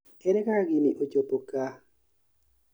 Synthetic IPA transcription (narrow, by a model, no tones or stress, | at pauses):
ɛɾɛkaɡiniʔot͡ʃopoka